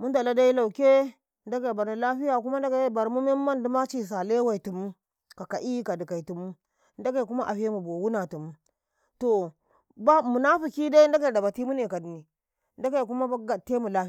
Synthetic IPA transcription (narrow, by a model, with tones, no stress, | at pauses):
mu˦nda˨la˦da˦i˦la˨u˨ke˦ | nda˦ka˨i˨ba˨na˨la˦ɸi˦ja˨ku˦ma˦nda˦ka˦˨ba˨ɾmu˦me˦ma˦ndi˦ma˦t͡ʃi˦˨s̬a˨le˦wa˦˨i˨tu˨mu˦ | ka˨ka˨ʔi˦ka˨di˨ka˨i˨tu˨mu˦ | nda˦ka˨i˨ku˦ma˦ʔa̰˨ɸe˦mu˨bo˨wu˦na˨tu˨mu˦ | to˨ | ba˦mu˨na˦fu˨ki˦da˦i˦n˦da˦ka˦ji˨da˨ba˨ti˦mu˦ne˨ka˨di˨ni˨˦ | nda˦ka˦˨ku˦ma˦a˦ɡa˨tːe˦mu˨la˦˨